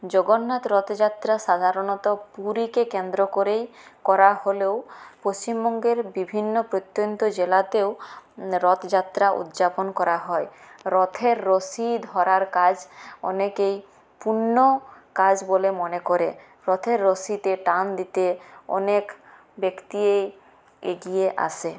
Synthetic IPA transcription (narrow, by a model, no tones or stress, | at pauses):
d͡ʑoɡonːat̪ɾɔt̪d͡ʑat̪ɾaʃad̪ʱaɾonɔt̪ɔpuɾikekend̪ɾokoɾejkɔɾaɦolewpost͡ɕimbɔŋɡeɾbibʱinːopɾot̪ːjont̪od͡ʑelat̪eoɾɔt̪d͡ʑat̪ːɾaʔṵd̪d͡ʑaponkɔɾaɦɔeɾɔt̪ʰeɾːosid̪ʱɔɾaɾkad͡ʑɔ̰nekej | punːokad͡ʑbolemɔnekoɾe | ɾɔt̪ʰeɾːosit̪eʈand̪it̪eɔ̰nek | bekt̪iej | eɡieʔa̰sʰe